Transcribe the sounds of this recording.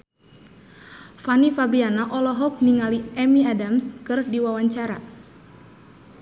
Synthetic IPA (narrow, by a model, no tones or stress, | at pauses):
fanifabɾianaʔɔlɔɦɔk̚niŋaliɛmiadamskɨrdiwawaɲt͡ʃaɾa